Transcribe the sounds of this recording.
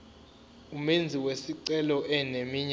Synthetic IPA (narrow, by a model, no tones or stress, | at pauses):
umend͡zʱiwesiǀɛlɔʔɛnemiɲ